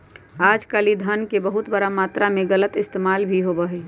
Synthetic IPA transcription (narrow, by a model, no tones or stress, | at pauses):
aːd͡ʒkaːlid̪ʱənkebəɦʊt̪bəɾamaːt̪ɾamẽɣələt̪ɪst̪eːmaːlbʱiɦobəɦe